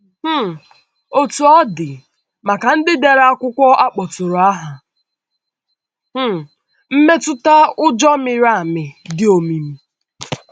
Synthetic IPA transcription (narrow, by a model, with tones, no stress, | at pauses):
h̩˦˨ | o˨tu˨ɔ˦dɪ˨ | ma˨ka˨n̩˦dɪ˦de˨ɾa˦kʷʊ˦kʷɔ˦ʔa˦k͡pɔ˨tʊ˨ɾʊ˨a˦ɦa˨ | h̩˦ | m̩˦me˦tʊ˦ta˦ʊ˦d͡ʒɔ˦mɪ˨ɾa˦˨a˨mɪ˨dɪ˦o˨mi˨m̩˦